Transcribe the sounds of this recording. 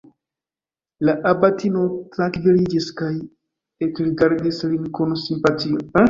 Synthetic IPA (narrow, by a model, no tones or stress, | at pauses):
laʔabatʰinotɾaŋkvilid͡ʒiskaj | ekɾiɡaɾdislinkonsimpatio